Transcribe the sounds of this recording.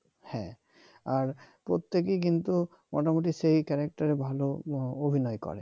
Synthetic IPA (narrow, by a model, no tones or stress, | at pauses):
hɛ̰̃ | aɹpɹot̪ːekik̬int̪u | mɔ̰tamot̬isejkɛɹak̚taɹɛbʱaloobʱinɔjkɔ̰ɹɛ̰